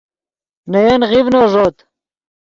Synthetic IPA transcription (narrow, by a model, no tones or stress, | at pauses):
nɐjɐnʁivnoʐoːt̪